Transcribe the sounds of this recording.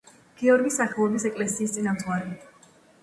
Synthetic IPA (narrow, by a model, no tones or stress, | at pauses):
ɡ̥ɛɔɾɡisaχɛlˠɔbisɛkʼlɛsiːst̪sʼinamt̪ʼwaɾɛ